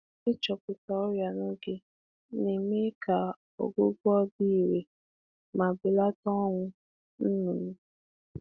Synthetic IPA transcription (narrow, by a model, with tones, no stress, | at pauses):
ɪ˦t͡ʃɔ˨pʊ˨ta˨ɔ˦ja˨no˦ɡe˦ | ne˨me˦ka˨ | o̰˨ɡʊ˦ɡʷɔ˦bi˦i˨ɾe˨ | ma˨bɪ˨la˦tɔ˦ŋʷʊ˦ | n̩˦nu˨nʊ˦